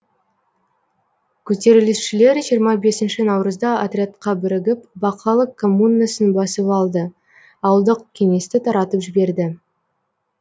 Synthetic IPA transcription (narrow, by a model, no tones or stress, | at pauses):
kʲʰɵt̪e̞ɾɪlɪsʃɪle̞ɾʒijəɾmɑbe̞sɪnʃɪnɑwɾəzd̪ɑat̪rʲeat̪qɑbɪɾɪɡʲɪpbɑqʰɑlˠəkʰːo̞munːasənbɑsəpɑlˠd̪ə | ɑwəlˠd̪əqkʲʰe̞ŋe̞st̪ɪt̪ʰɑɾɑt̪əpʒɪbe̞ɾd̪ɪ